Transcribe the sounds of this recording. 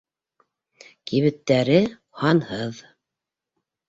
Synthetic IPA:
kiβɘ̆t̪ːæɾɘ | hɑnhɤð

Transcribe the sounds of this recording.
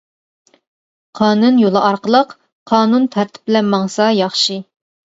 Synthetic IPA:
qʰɑːnunjolˠɨʔɑɾqəlˠəq | qʰɑːnunt̪ʰæɾt̪ʰɪ̥p̚ɪlɛnmːɑŋsɑjɑχʃɨ

